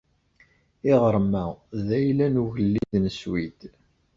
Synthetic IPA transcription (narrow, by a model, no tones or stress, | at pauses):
ɪʁəɾˤmæðæjlænuʝəlːiðnəswid̪